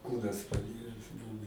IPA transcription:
ˈkuːnɐs pɐˈɪrʲɛs ˈbʊʋʊ

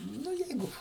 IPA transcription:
ˈnʊ ˈjɛɪɡʊ

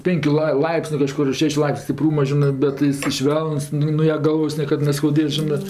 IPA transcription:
ˈpʲeːŋʲkʲʊ lˠɐɪ ˈlˠɐɪpʲsʲnʲʊ kɐˈʃkʊr ˈʃʲæːʃʲʊ ˈlˠɐɪpʲsʲnʲʊ sʲtʲɪˈpruːmɐ ˈʒʲɪnɜ ˈbʲɛt ɪˈsɐɪ ˈʃʲʋʲɛlˠnʊs ˈnʊ nuɔ jɛ ˈɡɐlˠʋoːs ˈnʲiɛkɐt nʲɛskɐʊˈdʲeːs ˈʒʲɪnɜ

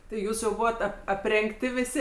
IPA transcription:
tʲɪ ˈjuːs jɛʊ ˈbuːʋɐt ɐp ɐpʲrʲɛŋkˈtʲɪ ʋʲɪˈsʲɪ

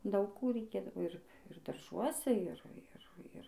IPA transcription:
ˈdɐʊk ˈkuː rʲɛɪˈkʲeːdɐʋoː ˈɪr ɪr dɐrˈʒuɔsʲɛ ˈɪr ˈɪr ˈɪr

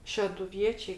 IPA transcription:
ʃʲɛdʊˈʋʲiɛt͡ʃʲɛɪ

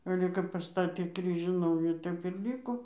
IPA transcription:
ˈɑːlʲɛ kɐp pɐˈstɑːtʲeː ˈkrʲiːʒʲuː ˈnɐʊjuː ˈtʲɛp ɪr ˈlʲiːkoː

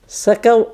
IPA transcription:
sɐˈkɐʊ

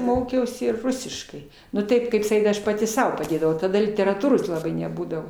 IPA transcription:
ˈmoːkʲɛʊsʲɪ ɪr ˈrʊsʲɪʃkɐɪ nʊ ˈtɐɪp ˈkɐɪp sɐˈkʲiːt ˈɐʃ pɐˈtʲɪ ˈsɐʊ pɐˈdʲeːdɐʋɐʊ tɐˈdɐ lʲɪtʲɛrɐˈtuːroːs lˠɐˈbɐɪ nʲɛˈbuːdɐʋoː

